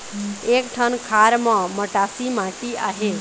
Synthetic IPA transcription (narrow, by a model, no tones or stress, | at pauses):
ekʈʰənkʰaɾmãməʈasimãʈiaɦe